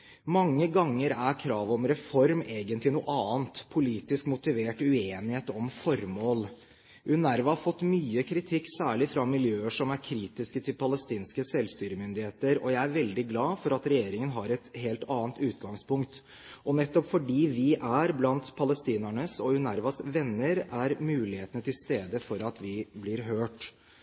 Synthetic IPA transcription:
mɑŋːəɡɑŋːəɾæɾkʰɾɑːʋɔmɾɛfɔɾmeːɡənt̪lɪnuːʔɑːənt̪pʰʊliːt̪ɪskmʊt̪ɪʋeːʈʉeːnɪheːt̪ɔmfɔɾmoːl | ʔʉnæɾʋɑhɑfɔt̪ːmyːəkʰɾɪt̪ʰɪkːsæːɭɪfɾɑmɪljøːəʂɔmæɾkʰɾiːt̪ɪskət̪ʰɪlpʰɑləst̪iːnskəsɛlst̪yːɾəmʏnd̪ɪheːt̪əɾɔ̰jæɪæɾʋɛld̪ɪɡlɑːfɔɾɑt̪ɾɛjeːɾɪŋənɦɑɾɛt̪heːlt̪ɑːənt̪ʉːt̪ɡɑŋspʊŋkt̪ | ʔɔnɛt̪ːɔpfɔɖiːʋɪʔæɾblɑnt̪pʰɑləst̪iːnæɳəsɔʉnæɾʋɑsʋɛnːəɾæɾmʉːlɪheːt̪ənət̪ʰɪlst̪eːd̪əfɔɾɑt̪ʋɪblɪɾɦøːʈ

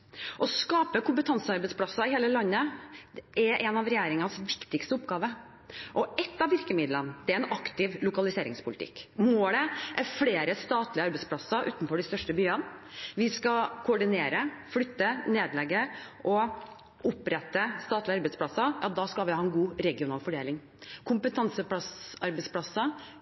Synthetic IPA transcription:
ʔɔskɑːpəkʰʊmpət̪ʰɑnsəɑɾbɛspʰlɑsːɑɪheːləlɑnːə | ɛʔɛnɑʋɾɛjeːɾɪŋɑnsʋɪkt̪ɪkst̪əʊpɡɑːʋə | ʔɔɛt̪ːɑʋɪɾkəmɪd̪lənd̪ɛæɾɛnɑkt̪ɪʋlʊkɑlɪseːɾɪ̰ŋspʰʊlɪt̪ʰɪ̰kːmoːɽɛʔæɾfleːɾəst̪ɑːt̪lɪəɑɾbɛɪspʰlɑsɑʔʉ̰ːt̪nfɔɖɪst̪œʂʈəbyːənʋɪskɑkʰʊɖɪneːɾəflʏt̪ːəneːd̪lɛɡːəʔɔ | ʊpɾɛt̪ːəst̪ɑːt̪ləɑɾbɛɪspʰlɑsɑjɑd̪ɑːskɑlʋɪhɑːɛnɡuːɾɛɡɪʊnɑːlfɔɖeːlɪŋ | kʰʊmpət̪ʰɑnsəpɑsɑɾbɛspʰlɑsːə

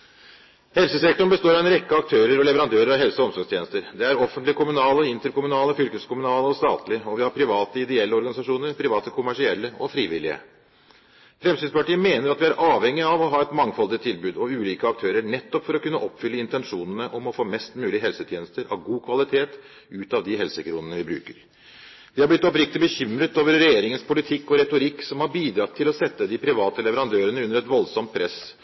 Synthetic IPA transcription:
hɛlsəsɛk̚t̪ɔɳbəst̪oːɾɑʋɛnɾɛkːəɑk̚t̪ʰøːɾəɾɔlɛʋəɾɑnd̪øːɾəɾɑʋɦɛlsəɔɔmsɔɾɡst̪ʰjeːnəst̪əɾd̪ɛæɾɔfənt̪lɪkʰʊmʉnɑːləɔɪnt̪əɾkʊmʉnɑːləɔfʏlkəskʰʊmʉnɑːləɔst̪ɑ̰ːt̪lɪəɔʋɪhɑɾpʰɾɪʋɑːt̪əɪd̪ɛɛlːəɔɾɡɑnɪsɑʂuːnəɾpʰɾɪʋɑːt̪əkʰʊmæʂɪɛlːəʔɔfɾiːʋɪlɪə̰ | fɾɛmsyːd̪spɑʈiːəmeːnəɾɑt̪ʋɪæɾʔɑːʋhɛŋːɪɑʋɔɦɑːɛt̪mɑŋːfɔld̪ɪət̪ʰɪlbʉːd̪ɔʉːliːkəɑk̚t̪ʰøːɾəɳɛt̪ːɔpfɔɾɔkʉnːəʔɔpːfʏlːəɪnt̪ɛnʂuːnənəʔɔmɔfoːmɛst̪mʉːlɪəɦɛlsət̪ʰjeːnəst̪əɾɑ̰ʋɡuːkʰʋɑlɪt̪ʰeːt̪ | ʉːt̪ɑʋd̪ɪɦɛlsəkɾuːnənəʋɪbɾʉ̰ːkəɾ | d̪ɪhɑɾblɪt̪ːɔpɾɪk̚t̪ɪbəçʏmɾət̪oːʋəɾːɛjeːɾɪŋənspʰʊlɪt̪ʰɪkːɔɾɛt̪ʊɾɪkːsɔmhɑɾbiːd̪ɾɑt̪ʰɪlɔsɛt̪ːəd̪ɪpʰɾɪʋɑːt̪əlɛʋəɾɑnd̪øːɾənəʉnːəɾɛt̪ʋɔlsɔmt̪̚pʰɾʔɛs

